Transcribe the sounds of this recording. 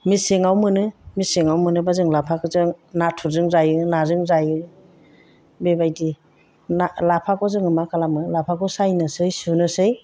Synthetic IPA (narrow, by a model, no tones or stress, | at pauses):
miseŋawmɯnɯmiseŋawmɯnɯbazɯŋlapʰakɯzɯŋnatʰuzɯŋzajɯnazɯŋzajɯ | bebajdi | nalapʰakɔzɯŋɯmakalamɯlapʰakɔsajnɯsɯjsunɯsɯj